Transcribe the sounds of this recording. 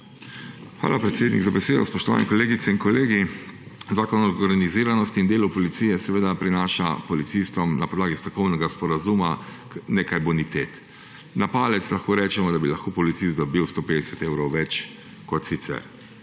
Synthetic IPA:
xʋa̰ːlapɾɛt̪seːd̪nḭɡzabɛseːd̪ɔspɔʃt̪ɔʋa̰nɛkɔleːɡit̪sɛinkɔleːɡi | zaːkɔnɔɾɡɾaniziːɾanɔst̪iːnd̪eːlupɔlit̪sijɛsɛʋeːd̪apɾinaːʃapɔlit̪sist̪ɔmnapɔd̪laːɡist̪ɾɔkɔwnɛɡaspɔɾazuma | neːkajbɔnit̪et̪ | napaːlɛt̪slaxkoːɾɛːt͡ʃɛmɔd̪abilɐxkoːpɔlit̪sist̪d̪ɔbiwst̪oːpeːd̪ɛsɛt̪eːwɾɔwʋɛt͡ʃ | kɔt̪sit̪sɛ̰ɾ

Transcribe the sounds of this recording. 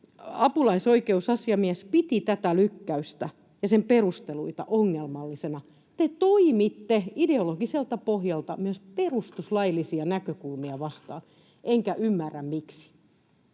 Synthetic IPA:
ɑpulɑisoikeusɑsjɑmiæspit̪it̪æt̪ælykːæyst̪æ | jɑsemperust̪eluit̪ɑ̰ʔoŋːelmɑlːisenɑ | t̪et̪oimit̪ːeideoloɡ̥iselt̪ɑpohjɑlt̪ɑmyøsperust̪uslɑilːisiɑnækøkulmiɑʋɑst̪ɑ̰ːn | ʔeŋkæʔymːærːæmmiksi̥

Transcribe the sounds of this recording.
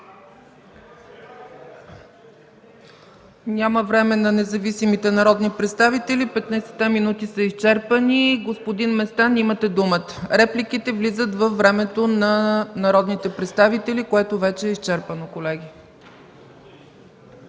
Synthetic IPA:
nʲaməvɾɛmɛnɐnɛzɐvisimit̪ɛnɐɾɔd̪nipɾɛt̪st̪avit̪ɛlipɛt̪nəjsɛ̥t̪ːɛminut̪isəist͡ʃɛɾpəniɡospod̪inmɛst̪animət̪ɛd̪umət̪ə̥ɾɛplikit̪ɛvlizət̪vəfvːɾɛmɛt̪onɐnɐɾɔd̪nit̪ɛpɾɛt̪st̪avit̪ɛlikoɛt̪ovɛt͡ʃɛːist͡ʃɛɾpənokolɛɡ̟i

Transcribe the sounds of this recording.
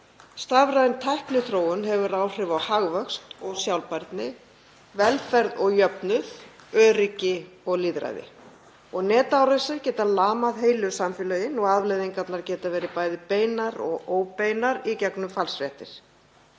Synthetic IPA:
st̪avɾaðɪnt̪ʰajhknʏθɾoːwʏnɦɛvʏɾaːwr̥ɪvawhaɣvœkst̪ɔɣsjawlpaɾt̪nɪ | vɛlfɛɾðɔɣjœpnʏðœːricɪɔɣliːðɾa̰jðɪ̰ | ɔɣnɛːt̪awɾasɪɾcɛːt̪alaːmaðheːjlʏɾsamfɪlœjɪnɔɣaðvlejðiŋkat̪naɾcɛːt̪avɛːɾɪpaːjðɪpeːjnaɾɔ̰ɣoːwpejnaɾicɛknʏmfalsfjɛht̪ɪɾ̥

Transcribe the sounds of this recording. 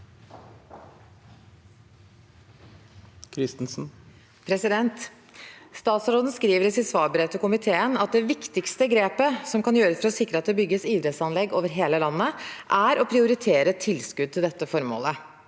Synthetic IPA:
kʰɾɪst̪n̩sn̩ | pʰɾɛsɪd̪ɛnt̪ | st̪ɑːt̪sɾoːd̪n̩skɾiːʋəɾɪsɪsʋɑːbəɾɛt̪ːəkʊmɪt̪ʰeːənɑt̪̚d̪ɛʋɪkt̪ɪkst̪əɡɾeːpəsɔmkɑnjøːɾəsfɔɾɔsɪkːɾəɑt̪̚d̪ɛbʏɡːəsiːd̪ɾɛt̪sɑnlɛɡːoːʋəɾɦeːləlɑnːəʔæɾʔɔpʰɾɪʊɾɪt̪ʰeːɾət̪ʰɪlskʉd̪̚t̪ʰɪld̪ɛt̪ːəfɔɾmo̰ːlə

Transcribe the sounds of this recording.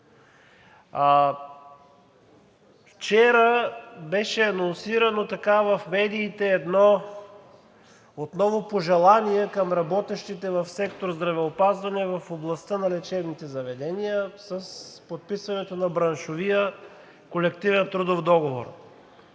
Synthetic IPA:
ft͡ʃɛɾəbɛʃɛɐnonsiɾɐnot̪ɐkavɐfmɛd̪iːt̪ɛːd̪nɔ | ot̪nɔvopoʒɛlˠaniɛkɐmɾɐbɔt̪ɛʃt̪it̪ɛvɐfsɛkt̪oɾzd̪ɾɐvɛopazvɐnɛvɐfoblˠɐst̪ənɐlɛt͡ʃɛbnit̪ɛzɐvɛd̪ɛnijəsəspot̪̚pisvɐnɛt̪onɐbɾɐnʃovijə | kolɛkt̪ivɛnt̪ɾud̪ofd̪ɔɡovo̰ɾ

